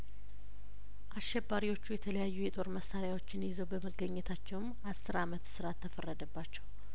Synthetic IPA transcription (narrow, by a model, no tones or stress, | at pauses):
ʔasʃɛbːaɾiwo̞t͡ʃːujɛt̪ʰələjajːujɛt̪ʼo̞ɾməsaɾjawo̞t͡ʃːɪnjɪzəwbəməɡːəɲːɛt̪ʰat͡ʃːɛwm | asːɨɾamət̪sɨɾat̪ʰːəfərːəd̪əbːat͡ʃːɛw